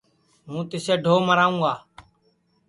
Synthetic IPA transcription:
mũːt̪ɪseːɖʱoːməɾaːũːɡaː

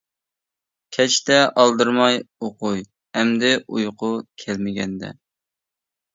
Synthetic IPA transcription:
kʲʰɛt͡ʃt̪ɛʔɑlˠd̪ɨɾmɑjoqʊj | ɛmd̪ɪʔujqʰʊkʲʰælmɪɡʲɛnd̪ɛ̰

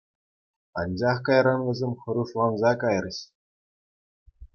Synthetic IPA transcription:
ɑnd͡ʑɑχkɑjɾɑnʋʲɘ̆zʲemʲχɤ̆ɾuʂlˠɑnzɑkɑj̆rɤ̆ɕ

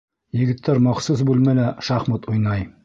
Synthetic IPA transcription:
jɘ̆ɡɘ̆t̪ʰːæɾmɑqsus̬bʉlmælæʃɑχmɤt̪ujnɑj

